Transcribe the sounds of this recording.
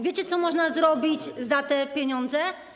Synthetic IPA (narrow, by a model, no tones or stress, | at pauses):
vʲet͡ɕɛt̪sɔmɔʐnazɾɔbʲid͡ʑzat̪ɛpʲjeɲɔnd̪zɛ